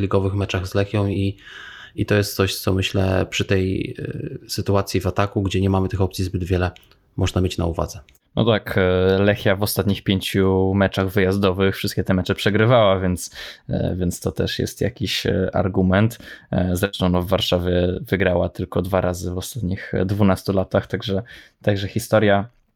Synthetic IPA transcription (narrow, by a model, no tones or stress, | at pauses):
lʲiɡɔvɘxmɛt͡ʂaɣzlɛxʲjɔ̃w̃i | it̪ɔjɛst̪t̪sɔɕt̪sɔmɘɕlɛ̰pʂɘt̪ɛj̰ | sɘt̪uat̪sʲjivat̪akuɡd͡ʑɛɲɛmamɘt̪ɘxɔp̪̚sʲizbɘd̪vʲjɛlɛ | mɔʐnamʲjet͡ɕna̰uva̰d̪zɛ | nɔ̰t̪aklɛxjavɔst̪at̪ɲixpʲjeɲt͡ɕumɛt͡ʂaɣvɘjazd̪ɔvɘxfʂɘst̪kʲɛt̪ɛmɛt͡ʂɛpʂɛɡɾɘvawavʲjɛnt̪svʲjɛnst̪ɔt̪ɛ̰ʂjɛ̰st̪ja̰kʲiɕa̰ɾɡumɛnt̪zɾɛʂt̪ɔw̃nɔvːaɾʂavʲjɛvɘɡɾawat̪ɘlkɔd̪vaɾʔazɘvɔst̪at̪ɲixd̪vunast̪ulat̪axt̪aɡʐɛt̪aɡʐɛxʲist̪ɔɾja